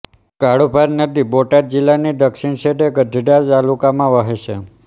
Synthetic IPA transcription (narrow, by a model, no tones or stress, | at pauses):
kaɽubʱaɾnəd̪iboʈad̪̚d͡ʒilːanid̪əkʃiɳseʈekəd͡ʒʱəɖat̪alukamãʋəɦeʃʰe